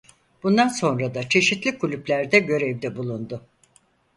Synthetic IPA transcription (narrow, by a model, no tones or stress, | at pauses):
b̥und̪anso̞nɾad̪at͡ʃʰe̞ʃit̪lʲikʰulʲyplʲæɾd̪ɛɟø̞ɾevd̪ɛbulˠund̪ʊ